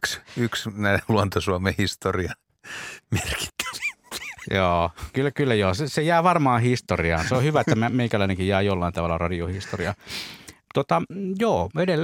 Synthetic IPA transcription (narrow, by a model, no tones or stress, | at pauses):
ksyksnæiluont̪osuɑmehist̪oriɑ | merki̥t̪ːæ̥ʋæ̥joːkylːækylːæjoːsesejæːʋɑrmɑːhist̪oriɑ̰ːnseohyʋæet̪ːæmæmeˑiŋkælˑæˑineŋkijjæːjolːɑˑint̪ɑʋɑlːɑrɑdiohist̪oriɑ | t̪ot̪ɑjoːedel